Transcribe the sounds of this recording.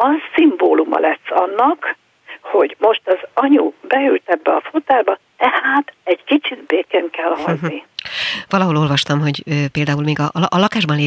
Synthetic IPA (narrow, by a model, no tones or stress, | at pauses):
ɒzsimboːlumɒ̰lʔɛsːɒnːɒk | ho̞ɟmo̞ʃt̪ɒzɒɲubɛylt̪ɛbːɛɒfut̪aːrbɒ | t̪ɛhaːt̪ɛɟkit͡ʃid̪beːkɛŋkɛlɦhɒd̪niʋɒlɒɦo̞lo̞lvɒʃt̪ɒmɦo̞ɟøːpeːld̪aːuːlmeːɡɒʔʔɒlɒkaːʒbɒnleː